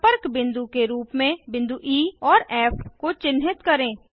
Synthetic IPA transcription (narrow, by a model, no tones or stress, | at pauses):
pəɾkbɪ̃nd̪ukeɾuːpmẽbɪ̃nd̪uʔiːɔːɾɛːfʰkot͡ʃɪnɦɪt̪kɐɾẽː